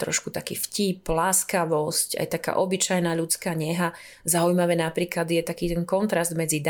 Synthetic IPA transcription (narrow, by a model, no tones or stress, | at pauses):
t̪ɾɔ̰ʃkut̪akḭːfciplaːskaʋɔsca̰jt̪aka̰ːʔɔbit͡ʃajnaʎut͡skaːɲɛɦa | zaujmaʋɛnapɾiːklad̪jɛt̪akiːt̪ɛnkɔnt̪ɾazd̪mɛd͡zid̪